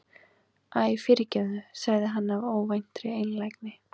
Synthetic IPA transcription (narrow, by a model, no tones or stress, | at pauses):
aːjfɪɾɪcɛðʏsaɣðɪɦanːavoːwvajn̥t̪ɾɪejnlajknɪ